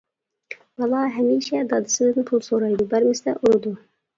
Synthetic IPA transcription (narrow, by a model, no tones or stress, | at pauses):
wɑlˠɑɦɛmiːʃɛd̪ɑd̪ɪsɪbɪd̪ɪnp̪ʰulˠsoɾɑjd̪ubæɾmɪst̪ɛʔuɾɨd̪u